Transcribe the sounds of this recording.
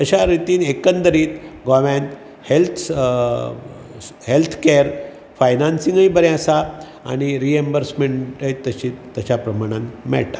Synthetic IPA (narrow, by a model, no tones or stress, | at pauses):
əɕaɾit̪iːnekənd̪əɾiːt̪ɡɔʋent̪ | helt̪ʰ | helt̪ʰkeəɾ | fajnansĩŋɡəĩbəɾjãsa | a̰ñiɾiembəɾsmeɳʈəjt̪ːəɕit̪əɕapɾəmaɽ̃ãnmɛ̰ɭʈ̪ḁ